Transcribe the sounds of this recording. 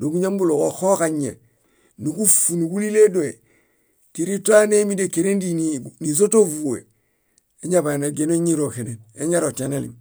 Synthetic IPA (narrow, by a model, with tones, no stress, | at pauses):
do˨ɡu˦ɲa˦mbu˦lo˨ko˨xo˦kaɲḛ˨ | ni˨ku˦fu˨ni˨ku˦li˦le˦do˨e˨ | ti˨ɾi˦tu˦a˦ne˦mi˦de˨keɾe˦ndinini˨s̬o˦to˦vu˨ḛ˨ | e˦ɲa˨ba˨na˨ɡe˨no˦ɲi˦ɾo˨ke˨ne˨ne˦ɲa˦ɾo˨ti˨analḭm